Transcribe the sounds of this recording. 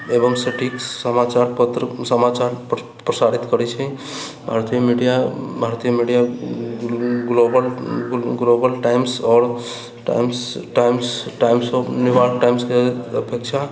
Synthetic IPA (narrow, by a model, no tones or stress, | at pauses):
ebəŋsẽʈʰiksəmat͡ʃaɾpət̪ɾəsəmat͡ʃaɾp | pɾəsaɾit̪kəɾɛt͡ʃʰɛ | bʱaɾt̪ijəmiɖijabʱaɾt̪ijəmiɖija | ɡlobəlɡlobəlʈaimsɔːɾ | ʈa̰msʈajmsʈaimsɔnuʋaɾkʈajmskeəpekt͡ʃʰa